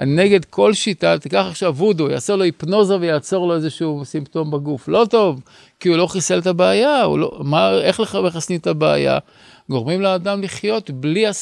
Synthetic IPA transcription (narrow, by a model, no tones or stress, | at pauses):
ne̞ɡe̞dkʰo̞lʃitat̪ikaχaχʃavudoja̰ːselo̞ipno̞zavejaːt͡so̞ʁlo̞ezeʃuusimt̪o̞mbaɡuflo̞to̞v | kiulo̞χiselt̪abeajaṵlo̰maeχleχameχasnitabea̰ja̰ | ɡo̞ʁmimleadamliχjo̞t̪blia